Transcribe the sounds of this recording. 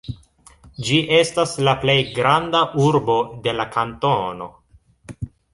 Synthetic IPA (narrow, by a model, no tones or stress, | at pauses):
d͡ʒiʔe̞staslaple̞jɡɾandaʔuɾbo̞de̞lakantono̞̰